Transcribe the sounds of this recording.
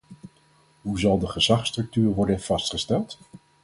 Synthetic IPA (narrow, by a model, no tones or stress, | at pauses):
ɦuzɑlˠdəχəzɑχstrɵk̚tyːrʋɔɹdənv̥ɑstχəstɛlˠt